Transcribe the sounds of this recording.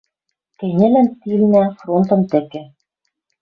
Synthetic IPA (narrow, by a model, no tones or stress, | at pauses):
kɘ̆nʲɘ̆lænt̪ilnæfront̪ɤ̆nt̪ɘ̆kɘ̆